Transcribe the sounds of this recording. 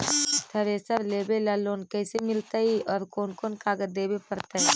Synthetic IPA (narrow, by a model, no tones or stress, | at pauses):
t̪ʰɐɾeːsəɾleːbelaːloːnkɛːsemɪlt̪aiʔɔːɾkoːnkoːnkaːɡəd̪eːbepɐɾt̪aɦi